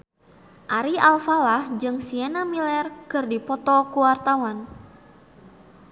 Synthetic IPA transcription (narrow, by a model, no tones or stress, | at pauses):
ʔaɾialfalahd͡ʒɨŋsiɛnamilɛrkɨrdipɔt̪ɔkuwart̪awan